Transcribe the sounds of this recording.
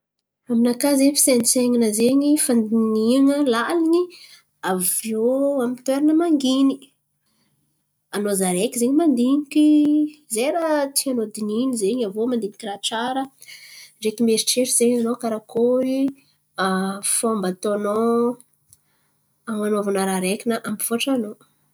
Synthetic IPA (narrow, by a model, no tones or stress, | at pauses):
aminakazefi̥sent͡seŋinəzeɲifand̪iniaŋəlaliɲi | avioamit̪weɾanəmaŋɡini | anozaɾekizeɲimand̪iɲikʲizeɾat̪ianod̪ininizeɲavomand̪iɲi̥kʲiɾaʈ͡ʂaɾə | ɖ͡ʐekimeɾiʈ͡ʂeɾiz̥eɲanokaɾakoɾi | afombat̪oano | amanoavanaɾaɾekʲinəʔambifuaʈ͡ʂano